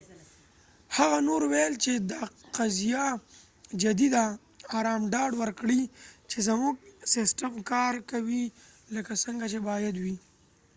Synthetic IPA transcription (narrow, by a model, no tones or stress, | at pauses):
haɣanoɾwelt͡ʃed̪aqazija | d͡ʒad̪id̪aː | ɾɑmɖɑɖwəɾkɽit͡ʃezamuɡsɪsʈamkɑɾkawi | ləkasəŋɡat͡ʃebɑjad̪wi